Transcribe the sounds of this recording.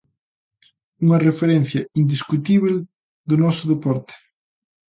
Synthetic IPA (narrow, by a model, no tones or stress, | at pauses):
uŋɐrefeɾɛn̟θjɐind̪iskut̪iβl | ðʊnɔsʊðepɔɾt̪e̥